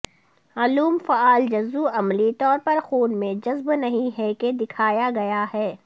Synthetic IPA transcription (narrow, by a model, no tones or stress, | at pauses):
aluːmfaaːld͡ʒɐzuɐmlit̪ɔːɾpɐɾxuːnmẽd͡ʒɐzbnɐɦĩɦɛked̪ɪkʰaːjaɡɐjaɦɛː